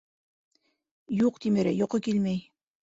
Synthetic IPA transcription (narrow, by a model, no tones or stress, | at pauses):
juqt̪imɘ̆ɾɘjoqɤkilmæj